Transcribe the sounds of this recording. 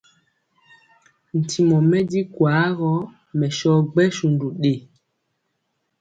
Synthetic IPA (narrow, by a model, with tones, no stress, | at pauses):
n̩˨tʰi˨mɔ˨mɛ˦di˦kwa˨˦ɣɔ˦ | mɛ˨ʃɔ˦ɡ͡bɛ˦ʃu˨ndu˨ɗe˨